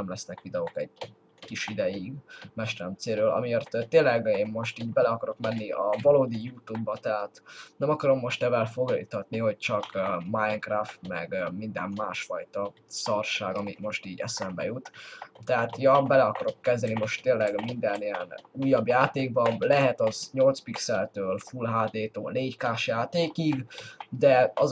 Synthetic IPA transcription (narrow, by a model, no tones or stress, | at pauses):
ɛmlɛsnɛkʋid̪ɛokɛɟ̚ | kiʃid̪ɛjiɡmɛʃt̪ɛɾɛmt̪seːɾøːlɒ̰mijɒrt̪t̪ːeːlɛɡeːnmo̞ʃt̪iːɟbɛlɛɒkɒɾo̞kmɛnːiɒvɒloːd̪ijuːt̪ubːɒt̪ɛɦaːt̪nɛmɒkɒɾo̞mːo̞ʃt̪ɛvɛlfo̞ɡlḭt̪ɒt̪niɦo̞c̚t͡ʃɒkmajɛŋkraft̪mɛɡmind̪ɛ̰mmaːʃfɒjt̪ɒsɒrʃaːɡɒmit̪mo̞ʃt̪iːɟɛ̰sɛmbɛ̰jut̪t̪ːɛɦaːt̪jɒbɛlɛɒkɒɾo̞kːɛzd̪ɛnimo̞ʃt̪ːeːnlːɛɡmind̪ɛniɛnuːjːɒbjaːt̪eːɡ̚bɒlɛɦɛt̪ɒzɲo̞lt̪spiksɛlt̪øːlfulɦaːd̪eːt̪o̰ːneːckaːʃjaːt̪eːkiɡd̪ɛɒ